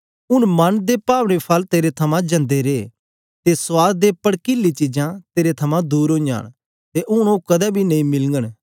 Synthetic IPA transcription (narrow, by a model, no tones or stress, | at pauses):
ʊɽ̃mɐnd̪epaːʋɽ̃epʰɐlt̪eːɾet̪ʰɐmãd͡ʒɐ̃nd̪eɾeː | t̪eswaːɡ̚d̪epɐɽkɪlːit͡ʃɪd͡ʒãt̪eːɾet̪ʰɐmãd̪uːɾõːa̰ːɽ̃ | t̪eʔʊɽ̃okɐd̪ɛbʱinɐĩmɪlŋɡəɽ̃